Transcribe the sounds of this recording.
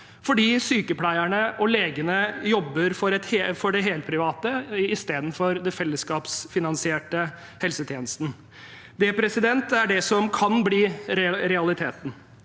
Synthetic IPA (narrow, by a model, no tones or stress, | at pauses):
fɔɖiːsyːkəpʰlæɪæɳəʔɔleːɡənəjɔbːəɾfɔɾɛt̪hefɔɖɛɦeːlt̪̚pʰɾɪʋɑːt̪əɪst̪eːd̪n̩fɔɾd̪ɛfɛlːəskɑːpsfɪnɑnsɪeːʈə | hɛlsət̪ʰjeːnəst̪n | d̪ɛpʰɾɛsɪd̪ɛnt̪æɖɛsɔmkʰɑnbliːɾɛɾɛɑlɪt̪ʰeːt̪n̩